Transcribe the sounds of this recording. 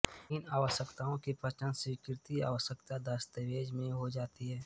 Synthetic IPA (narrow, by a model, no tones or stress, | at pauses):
ɪnaːʋəʃəkt̪aːõkipɾət͡ʃənsikɪɾt̪ia̰ːʋəʃəkt̪ad̪əst̪eʋeːd͡ʒmẽɦod͡ʒaːt̪iɦɛː